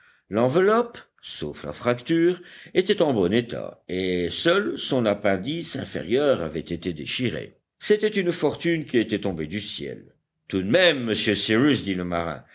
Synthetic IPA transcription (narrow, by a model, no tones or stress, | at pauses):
lɑ̃vəlɔp | sofla̰fχakt̪yːʁet̪ɛt̪ɑ̃bɔnet̪ʰa̰esœlsɔ̃napɛ̃d̪isɛ̰̃fḛʁjœːʁa̰vɛt̪et̪ed̪eʃiʁḛ | set̪ɛt̪ynfɔʁt̪ynkʲiet̪ɛt̪ɔ̃bed̪ysjɛ̰l | t̪ud̪mɛmːəsjøsiʁysd̪iləma̰ʁɛ̰̃